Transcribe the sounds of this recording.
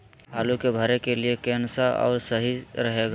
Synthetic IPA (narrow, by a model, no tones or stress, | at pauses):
ɦaːlukebʱəɾekeliekɛːnsaʔɔ̰ːɾsəɦiɾəɦeɡa